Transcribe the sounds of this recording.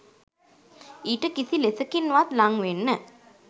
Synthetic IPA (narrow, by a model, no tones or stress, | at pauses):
iːʈəkisilesəkinːuʋat̪laŋʋenːə